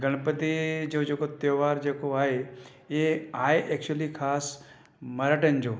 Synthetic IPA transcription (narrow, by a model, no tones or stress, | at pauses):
ɡəɽ̃pət̪id͡ʒoːd͡ʒeːkot̪joːʋaːɾd͡ʒeːkoaːɦe | eaːeʔɛk̚t͡ʃuəlikʰaːs | məɾəʈənd͡ʒoː